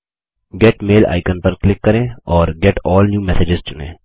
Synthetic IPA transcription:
ɡɛʈmeːla̰ːɪkənpɐɾklɪkːɐɾẽːɔːɾɡɛʈɔːlnjuːmɛseːd͡ʒɪzt͡ʃʊnḛ̃ː

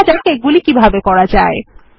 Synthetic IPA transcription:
d͡ʑaɾkeɡulikibʱabekɔɽad͡ʑa̰e

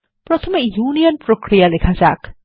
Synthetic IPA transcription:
pɾɔt̪ʰɔmejuːnijɔnpɾokɾijalekʰaza̰k

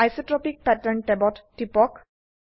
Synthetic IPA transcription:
ajsɔʈɾɔpik̚pɛʈəɾɳʈɛbɔʈʈːipɔk

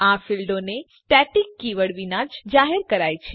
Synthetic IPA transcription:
afilɖone | ʈɛʈikːiʋəɽʋinad͡ʒd͡ʒaɦeɾkəɾajt͡ʃʰe

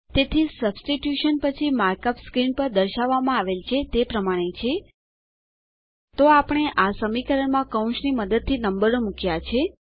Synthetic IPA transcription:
t̪et̪ʰisəbsʈiʈjuʃənpət͡ʃʰimaɾkəpskɾinpəɾd̪əɾʃaʋːamãaʋelt͡ʃʰet̪epɾəmaɽ̃et͡ʃʰe | t̪oapɳ̃eʔasəmikəɾəɳmãkəũʃniməd̪əd̪̚t̪ʰinəmbəɾomukjat͡ʃʰe

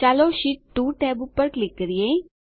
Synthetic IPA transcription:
aːloʃiʈːuːʈɛːbupːəɾklɪkːəɾije

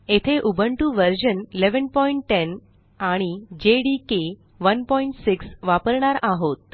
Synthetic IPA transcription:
et̪ʰeʔubʱəɳʈuʋəɾɕənileʋənpɔiɳʈːen | aɽ̃id͡ʑeɽike | ʋənpɔiɳʈsiksʋapəɾɳaɾaɦot̪̚

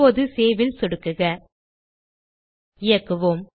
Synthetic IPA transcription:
oːðɯseːʋɪlsɔɽɯkːɯɣɐ | ɪjɐkːɯʋoːm

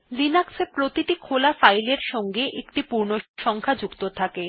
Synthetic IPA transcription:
linaksepɾot̪iʈikʰolafajleɾʃɔŋɡeʔekʈipuɾnoʃɔŋkʰad͡ʑukt̪ot̪ʰake

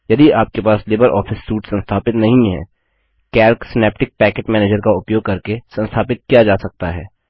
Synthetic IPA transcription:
jɐd̪iaːp̚kepaːsleːbəɾʔɔ̰ːfɪsːuːʈsɐ̃nst̪ʰaːpɪt̪nɐɦĩɦɛ̰̃ː | kɛːɾksɪnɛːp̚ʈɪk̚pɛːkeːʈmɛːneːd͡ʒəɾkaʊpjoːɡ̚kɐɾkesɐ̃nst̪ʰaːpɪt̪̚kijad͡ʒaːsɐk̚t̪aɦɛ̰ː

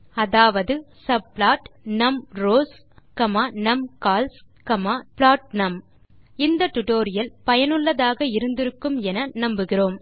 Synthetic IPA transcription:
ɐðaːʋɐðɯ | sɐbplaːʈnɐmɾoːs | kɐmaːnɐmkaːls | kɐmaːpɭaːʈ̚nɐm | ɪnd̪ɐʈ̪ʊʈoːɾɪjɐlpɐjɐnɯɭːɐðaːɣɐɪɾɯnd̪ɪɾɯkːɯmɛnɐnɐmbɯɣɪroːm

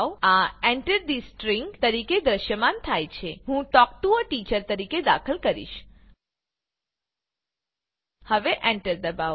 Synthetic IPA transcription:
waeɳʈəɾɖ̪isʈɾiŋɡt̪əɾiked̪ɾəʃjəmant̪ʰajt͡ʃʰeɦũʈ̪ɔk̚t̪uoʈit͡ʃəɾt̪əɾiked̪a̰kʰəlkəɾḭʃ | həʋeʔɛ̃ɳʈəɾd̪əba

